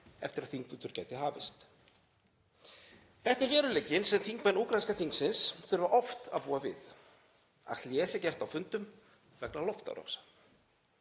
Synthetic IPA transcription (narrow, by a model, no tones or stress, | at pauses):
ɛ̰ft̪ɪɾaðθiŋkvʏt̪ʏɾ̥caːjt̪ɪɦaːvɪ̰st̪ | θɛht̪ɪɾvɛːɾʏlɛcːɪnsɛmθiŋkmajnuːkɾaskaθiŋksɪnsθʏɾvaʔɔft̪a̰ðpuːavɪ̰θ | a̰ljɛːsɪcɛr̥t̪awfʏnt̪ʏm | vɛknalɔft̪a̰ɾɔ̰ksḁ